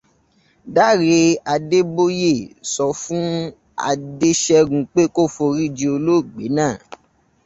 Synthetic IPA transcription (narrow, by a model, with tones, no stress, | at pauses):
da˦˨ɾe˧a˧de˦bo˦je˦˨sɔ˧fũ˦ | a̰˧de˦ʃɛ˧ɡũ˧˦k͡pe˦ko˦˨fo˧ɾi˦˨d͡ʒi˧o˧lo˦˨ɡ͡be˨˦nãː˦˨